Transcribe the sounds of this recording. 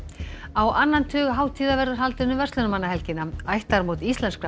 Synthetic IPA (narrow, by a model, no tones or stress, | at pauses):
awʔanːant̪ʰʏːɣaɦaːwt̪ʰiːðavɛɾðʏɾ̥ɦalt̪ɪnʏmvɛst̪lʏnamanːaɦɛlcɪnːaajht̪aɾmowt̪ist̪lɛnska